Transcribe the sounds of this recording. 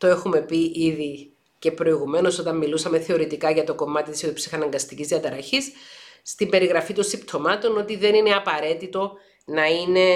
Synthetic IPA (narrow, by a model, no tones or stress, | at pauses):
t̪oe̞xume̞piʔiði | ce̞pɾo̞iɣume̞no̞so̞t̪ɐmːilusɐme̞θe̞o̞ɾit̪ikɐʝɐt̪o̞ko̞mɐt̪it̪iset̪opsixɐnɐŋɡɐst̪icizðiɐt̪ɐɾɐçisːt̪imbe̞ɾiɣɾɐfit̪onsipt̪ʰo̞mɐt̪o̞no̞t̪iðe̞nine̞ɐpɐɾe̞t̪it̪o̞ | nɐine̞